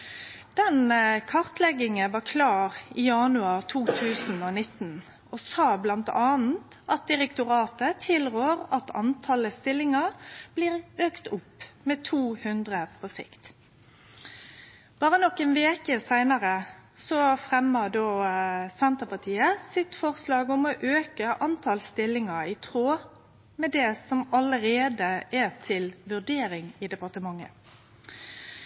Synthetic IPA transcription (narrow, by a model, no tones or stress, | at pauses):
d̪̥ɛnkʰɑʁt̪lɛɡɪŋənʋɑːkʰlɑːʁijɑnʉɑʁt̪ʰuːt̪ʰʉːsn̩onɪt̪ːn̩ | ɔsɑːblɑnt̪ɑːn̩t̪ʔɑt̪̚d̪ɪʁɛkt̪ʊʁɑːt̪ət̪ʰɪlʁøːʁɑt̪ʰɑ̰nt̪ʰɑləst̪ɪlːɪŋɑʁb̥liːʁøːkt̪ʊpːmeːt̪ʰuːhʉnd̪ʁəpʰɔsɪ̰kt̪ | b̥ɑːʁənɔkːeːnʋeːkəsæɪnɑʁəsɔfʁɛmːəd̪oːsɛnt̪əʁpɑt̪ʰiːəsɪt̪fɔʁslɑːɡɔmɔʔøːkəʔɑnt̪ʰɑlst̪ɪlːɪŋəʁɪt̪ʰʁoː | mɛd̪ɛsɔmɑləɾeːd̪əʔɛt̪ʰɪlʋʉʁɖ̪eːɾɪŋɪd̪ɛpɑt̪əmɑŋːə̰